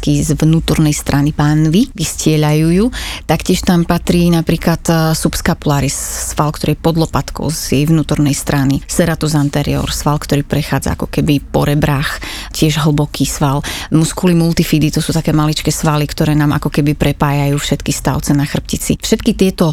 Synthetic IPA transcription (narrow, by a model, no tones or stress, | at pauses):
kizʋnuːt̪ɔɾnɛjst̪ɾʔanipanʋiʋiscɪɛʎajuːjuːt̪akcɪɛʃt̪ampat̪ɾiːnapɾiːklat̪supskapulaːɾissʋalkt̪ɔɾiːɛpɔd̪lˠɔpat̪kɔ̰ʊzjɛjʋnuːt̪ɔɾnɛjst̪ɾʔanisɛɾat̪uzant̪ɛɾḭɔ̰ɾsʋalkt̪ɔɾiːpɾɛxaːd͡za̰a̰kɔ̥kɛbipɔɾɛbɾax | cɪɛʒɦl̩bɔkʰiːsʋalmuskulimult̪ifid̪it̪ɔsuːt̪akɛːmalit͡ʃkɛːsʋalikt̪ɔɾɛːnaːmʔa̰kɔkɛbipɾɛpaːjajuːfʃɛt̪kist̪a̰ʊt͡sɛnaxr̩p̚cit͡sḭfʃɛt̪kit̪ɪɛt̪ɔ